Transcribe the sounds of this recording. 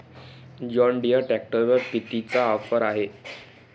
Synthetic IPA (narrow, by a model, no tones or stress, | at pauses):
d͡ʑɔɳɖijəʈæk̚ʈəɾʋəɾpit̪it͡saɔfəɾaɦe